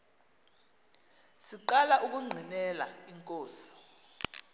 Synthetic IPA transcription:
siǃalaʔuk̬uŋ͡ǀʱinɛla̰iŋkʼoːsi̥

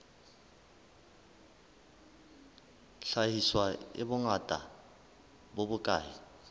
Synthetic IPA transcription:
ɬajiswaḛɓʊŋatʼa̰ | boɓʊkʼaːji

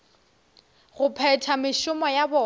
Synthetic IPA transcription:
ɣʊpʰɛtʰamɪʃʊmɔjabɔː

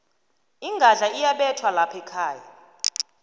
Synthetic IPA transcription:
iŋɡʱaɮaijaɓɛtʰwalapʰɛkʰaːja̰

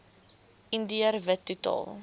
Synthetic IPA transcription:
ʔindiərvətːutɑ̰ːlˠ

